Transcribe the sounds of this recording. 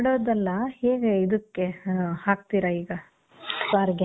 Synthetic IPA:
ɽoːd̪ɐlːɐheːɡeid̪ɐkːehaːk̚t̪iːɾɐiːɡɐ | saːɾɡ

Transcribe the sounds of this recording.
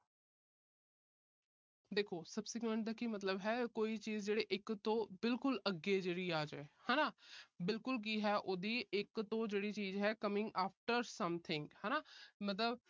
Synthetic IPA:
d̪eːkʰoːsəbsɪkwẽɳʈ̚d̪aːkimət̪ləbɦɛːkoːiːt͡ʃiːzd͡ʒeːɽeːʔɪkt̪õːbɪlkʊləɡːeːd͡ʒeːɽiːaːd͡ʒeːhɛːnaːbɪlkʊlk̬iːɦɛːʔoːd̪iːɪkt̪õːd͡ʒeːɽiːt͡ʃiːzɦɛːkəmɪ̃ŋɡaːpʰʈəɾsəmt̪ʰɪ̃ŋɡhɛːnaːmət̪̬ləb

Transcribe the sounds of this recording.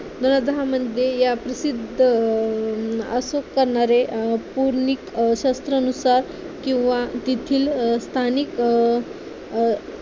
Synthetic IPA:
d̪onəd̪ɦaməd̪ʱjejapɾəsid̪ʱə | asokːəɾɳaɾepuɾɳikɕast̪ɾəːnusaɾ | kĩw̃ʋat̪it̪ʰiːlst̪ʰanik

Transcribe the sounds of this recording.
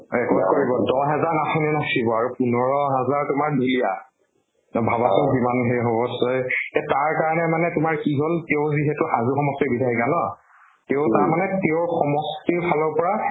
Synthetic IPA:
ɛkɔkoɹibɔdɔɦɛzaɹnasuninasibɔaɹupunɔɹɔɦɛzaɹtʊmaɹnilija | bʱabasʊzimanɦeɦobɔsɔjtɛtaɹkaɹɔnɛmanɛtʊmaɹkiɦolteʊziɦɛtʊxazuxɔmɔstibidʰaɹikanɔ | teʊtaɹmanɛteʊxɔmɔstiɹpʰalɔɹpɔɹa

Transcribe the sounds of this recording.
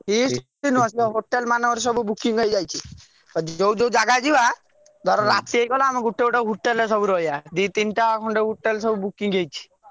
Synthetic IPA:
ɦist̪inũɔsiɦoʈelmanɔɔɾs̬ɔbubukiŋɡɦɔjd͡ʒajt͡ʃʰi | t̪ɔd͡ʒd͡ʒowd͡ʒowd͡ʒaɡad͡ʒiba | d̪ʱɔɾɔɾat̪iejkɔlaamiɡuʈːeuʈɔɦuʈːelesɔbuɾɔijad̪it̪inʈaakʰɔɳɖeɦuʈːelsɔbubukiŋɡejt͡ʃʰi̥

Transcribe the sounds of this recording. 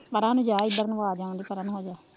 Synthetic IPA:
pəɾaːnũːd͡ʒaːɪd̪əɾnəʋaːd͡ʒãːnd̪iːpəɾaːnũɦoːd͡ʒaː

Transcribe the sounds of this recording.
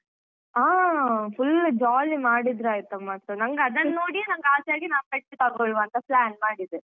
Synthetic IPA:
aːfʊld͡ʒaːlimaːɽid̪ɾaːjɪt̪ɐmːaːsɐnɐŋɡɐːd̪ɐnnoːɽijenɐŋɡɐaːsjaːɡinaːmkɐʈt͡ʃːit̪ɐɡɔɭʋɐnt̪ɐplaːnmaːɽid̪ɯ

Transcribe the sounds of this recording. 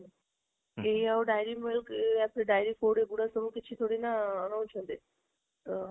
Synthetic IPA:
eiaoɖajɾimɪlkapɽeɖaːjɾifoːɽeɡuɽasəmukɪtːt͡ʃʰit̪ʰoːɽinanə̃ut͡ʃʰə̃nd̪e | t̪ə

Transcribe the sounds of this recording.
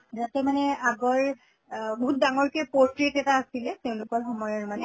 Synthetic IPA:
zatɛmanɛaɡɔɹ | boɦut̚daŋɔɹkɛpoɹtɹitɛtaːsilɛteʊ̃lʊkɔɹxɔmɔjɔɹmanɛ

